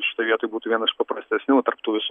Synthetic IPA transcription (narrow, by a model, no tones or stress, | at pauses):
ʃʲɪt̪oːɪʋiɛt̪oːjbuːt̪uːʋʲiɛnɐsɪʃpɐpɾɐsʲt̪ʲɛsʲnʲɪɐt̪ɐrpt̪uːʋʲɪs